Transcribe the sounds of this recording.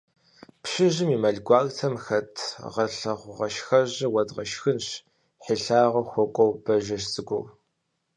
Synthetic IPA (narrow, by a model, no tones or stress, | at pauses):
pɕɪʑɪmiːmɐɮɡʷɑːɣtʰɐmxɐtʰʁɐɬɐʁʷʊʁɐʃxɐʑɪwɐdʁɐʃxɨnɕ | ħiɬaːʁɐxʷɔkʷʼɔwb̥ɐʒɐʃsʼɨɡʷʊ̰w